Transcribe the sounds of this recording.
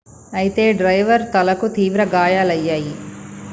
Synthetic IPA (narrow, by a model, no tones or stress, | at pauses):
ɐjit̪eːɖɾɐjʋɐɾt̪ɐlɐkut̪iːʋɾɐɡaːjaːlɐjːaːji